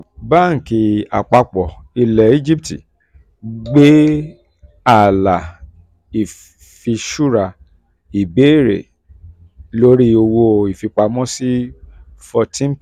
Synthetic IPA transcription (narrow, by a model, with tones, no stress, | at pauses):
baː˦˨ŋ̩˨ki˧a̰˨k͡pa˧k͡pɔ˨ | i˧lɛ˨˦i˦d͡ʒi˦ptḭ˨ | ɡ͡be˦ | a˨la˨ | i˨ | fi˧ʃu˦ɾa˨ | i˨be˨˦˨ɾḛ˨ | lo˦ɾi˦o˧wo˧i˨fi˧k͡pa˧mɔ̃˦si˦fɔ˧tĩ˦n̩˦